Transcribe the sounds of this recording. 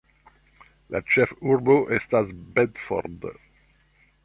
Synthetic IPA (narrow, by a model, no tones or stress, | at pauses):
la̰t͡ʃɛfuɹboʔɛst̪azbɛd̪fɔ̰ɾd̪